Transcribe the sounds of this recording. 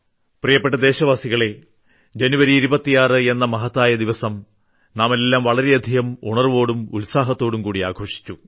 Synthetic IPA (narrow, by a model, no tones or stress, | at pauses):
prijɐpːeʈːɐd̪e̞ːɕɐʋaːsiɣɐɭe̞ | d͡ʑenuʋɐɾiːɾubɐt̪ːijaːrɨe̞nːɐmɐɦɐt̪ːaːjɐd̪iʋɐsɐm | naːme̞lːaːmʋɐɭɐɾe̞ɐd̪ʱiɣɐmṵɳɐrʋo̞ːɽumulsaːɦɐt̪ːo̞ːɽumkuːɽia̰ːɡʱo̞ːʂi̥t͡ɕːu